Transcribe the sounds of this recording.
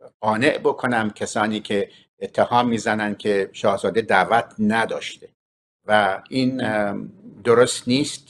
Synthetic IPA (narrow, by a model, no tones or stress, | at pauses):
ɢɒːneʔbokʰo̞næmkʲʰæsɒːniːkʲʰe̞ː | t̪ʰːehɒːmːiːzænænd̪̥̚kʰeʃɒːhzɒːd̪ed̪æːvæt̪ʰnæd̪ɒːʃt̪e | væiːn | d̪oɾost̪niːst̪̚